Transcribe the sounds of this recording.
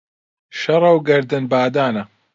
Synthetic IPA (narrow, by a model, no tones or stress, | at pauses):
ʃɐɾˤɐwɡɐɾd̪ɨnbaːd̪aːnɐ